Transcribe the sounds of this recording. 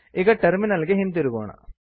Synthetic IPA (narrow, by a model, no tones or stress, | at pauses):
iɣɐʈerminɐlɡeɦint̪eɾuɣoːɳɐ̰